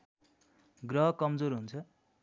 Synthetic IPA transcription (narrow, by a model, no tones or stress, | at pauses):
ɡrʌɦʌkʌmd͡zoɾɦunt͡sʰʌ